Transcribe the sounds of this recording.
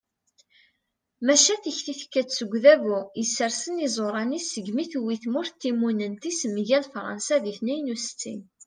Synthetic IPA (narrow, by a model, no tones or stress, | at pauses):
mæʃæθəçθiθə̥kːæt͡sːəɡʷðævuisːəɾsənizˤoɾˤɑnisəɡmiθwiθmʊɾθt̪ːimunənt̪isəmːʝælfɾˤɑ̰nsæðiθnæjnust͡sːḭn